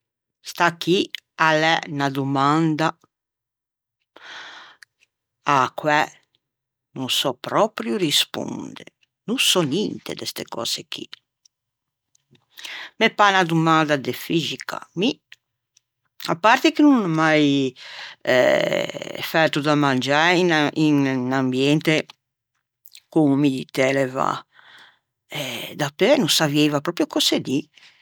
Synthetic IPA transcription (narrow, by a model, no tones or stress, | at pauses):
st̪akialɛnad̪umand̪a | akwɛ | nusɔpɾɔpɾjuɾispṵnd̪ḛ | nusɔnint̪ḛd̪est̪ekɔ̰ːzeki | mepanad̪umand̪ad̪efizika̰mi | apːaɾt̪ekinunmaj | ɛ̰ | fɛɾt̪ud̪amand͡ʒaininnambjɛnt̪e | kumumid̪it̪ɛlɛva̰ | ɛd̪apenusavjɛjvapɾɔpɾjokɔsed̪i